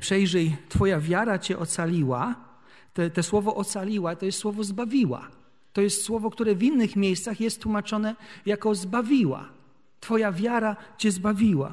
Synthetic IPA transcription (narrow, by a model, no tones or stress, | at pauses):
pʂɛjʐɛjt̪fɔjavʲjaɾat͡ɕɛʔɔt̪salʲiwa | t̪ɛt̪ɛswɔvɔʔɔt̪salʲiwat̪ɔjɛst̪swɔvɔzbavʲiwa̰ | t̪ɔjɛst̪swɔvɔkt̪uɾɛvʲinːɘxmʲejst̪saxjɛst̪ːwumat͡ʂɔnɛjakɔzbavʲiwa̰ | t̪fɔjavʲjaɾat͡ɕɛzbavʲiwa̰